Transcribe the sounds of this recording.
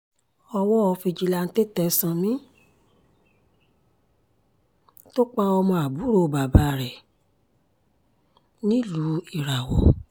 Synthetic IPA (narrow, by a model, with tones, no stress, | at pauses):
ɔ˧wɔ˦ɔ˧fi˧d͡ʒi˧la˧n̩˦te˦tɛ˧˦sã˧mĩ˦ | to˦k͡pa˦ɔ˧mɔ̃˧a˨bu˨˦ɾo˧˨ba˨ba˨˦˨ɾɛ˨ | nĩ˦lu˨˦i˦˨ɾa˨wɔ̰˨